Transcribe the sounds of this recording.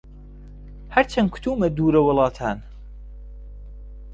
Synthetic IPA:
hɐɾt͡ʃʰɐnkʰu̥t̪ʰuːmɐd̪uːɾɐwʊlˠɑːt̪ʰaːn

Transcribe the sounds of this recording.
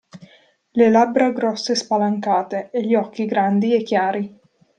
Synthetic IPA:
lelabɾaɡɾɔsːespalaŋkaːt̪eːʎːiɔkːiɡɾand̪iekːjaːɾi

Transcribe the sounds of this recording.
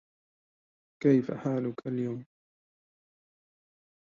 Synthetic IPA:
kajfa̰ħaːlʊkaljawm

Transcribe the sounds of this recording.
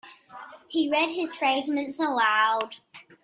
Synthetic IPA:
hiɹɛd̚ɪz̥fɹaɪɡ̚mə̃ntsəlaʊd̥

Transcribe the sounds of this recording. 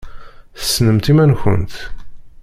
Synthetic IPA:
θə̥sːnəmt̪imænçə̰nt̪

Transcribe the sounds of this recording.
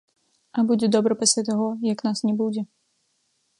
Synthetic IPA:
ʔabuɟʲɛd̪ɔbɾɔpɛsɛt̪ɔɦɔjaknaːsɲɛbuɟʲɛ

